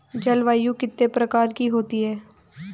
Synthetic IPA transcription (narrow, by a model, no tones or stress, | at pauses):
d͡ʒɐlʋaːjũkɪt̪ːepɾɐkaːɾkiɦoːt̪iɦɛː